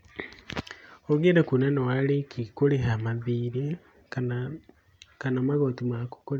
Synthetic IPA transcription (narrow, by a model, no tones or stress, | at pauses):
oɣeːndekunanawalekʰikoleɦamaðiːɾe | kanamaɣotimaku̥kole